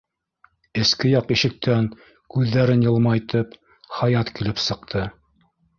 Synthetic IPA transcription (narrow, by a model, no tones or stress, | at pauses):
ɘ̆skɘjɑqiʃɘ̆k̚t̪æŋ | kʉðːæɾɘnjɤ̆lˠmɑjt̪ɤp | χɑjɑt̪kilɘpsɤ̆q̚t̪ʰɤ